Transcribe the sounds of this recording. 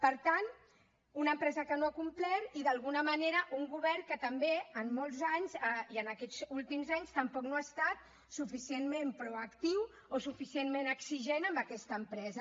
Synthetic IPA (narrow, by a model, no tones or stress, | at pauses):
pəɾt̪an | unəmpɾɛzəkənoakumplɛɾiðəlˠɣunəməneɾəʔuŋɡuβɛrkət̪əmbeəmːolˠzaɲzəiənəkɛzulˠt̪imzaɲst̪əmpɔknoast̪at̪̚ | sufisienmempɾuəkt̪iw | osufisienmenəksiʒenəmbəkɛst̪əːmpɾɛzə